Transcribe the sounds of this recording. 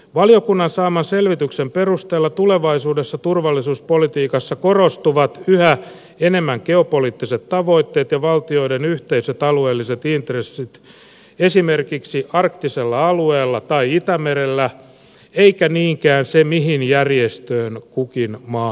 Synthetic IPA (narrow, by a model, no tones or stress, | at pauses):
ʋɑlijo̞kunːɑnsɑːmɑnse̞lʋit̪yksempe̞rust̪eːlːɑt̪ule̞ʋɑisuːdesːɑt̪urʋɑlːisuːspo̞lit̪iːkɑsːɑkorost̪uʋɑt̪yhæ | ene̞mːæŋkeo̞poliːt̪ːiset̪tɑʋo̞it̪ːeːt̪jɑʋɑlt̪io̞idenyht̪eiset̪ɑlueːlːiset̪int̪resːit̪ | esimerkiksiʔɑrkt̪iselːɑɑlueːlːɑt̪ɑiit̪æmeɾelːæ | eikæniːŋkæːnsemiɦinjærjest̪øːnkukinmɑː